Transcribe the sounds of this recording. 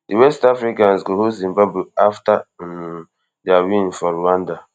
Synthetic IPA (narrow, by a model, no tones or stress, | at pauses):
diwɛstafɾikansɡoɦozĩmbabuafta | dawĩnfɔɾuwãnda